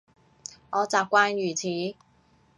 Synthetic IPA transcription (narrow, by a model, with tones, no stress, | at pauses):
ʔɔː˨˧t͡saː˨p̚kʷwaː˧˥njyː˨˩t͡sʰiː˨˦